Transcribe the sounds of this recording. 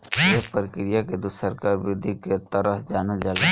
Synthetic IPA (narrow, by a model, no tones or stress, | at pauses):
jepɾɪkɾijaked̪ʊsəɾkaɾbɪd̪ʱiket̪əɾəɦd͡ʒaːnad͡ʒale